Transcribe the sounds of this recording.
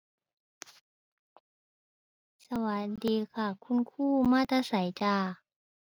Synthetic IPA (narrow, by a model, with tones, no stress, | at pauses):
sa˧wa˨˩˦t̪̚diː˧kʰaː˧˩kʰu˧˥˨nkʰuː˥˩maː˧˥˨t̪ʰaː˧˥sa˨˩˦jt͡ɕaː˧